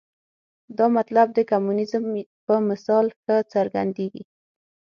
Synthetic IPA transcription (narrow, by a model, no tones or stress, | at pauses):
d̪ɑmat̪lab̚d̪əkamunɪzmpəmɪsɑlxət͡saɾɡa̰nd̪eɡḭ